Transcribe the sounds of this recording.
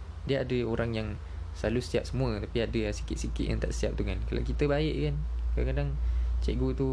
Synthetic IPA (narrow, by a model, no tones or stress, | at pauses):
diəadəoɾaŋjaŋ | salusiap̚səmũət̪apiadəsi̥kɪt̪̚sikɪt̪̚ja̰ŋt̪a̰ʔsiap̚t̪uŋanka̰la̰wkit̪əbaɪʔkankadaŋkadaŋt͡ʃɛ̰ʔ̚ɡut̪u